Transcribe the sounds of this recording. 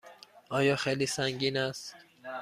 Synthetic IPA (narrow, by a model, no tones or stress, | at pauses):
ʔɒːjɒːxejliːsæŋɟiːnæst̪t̪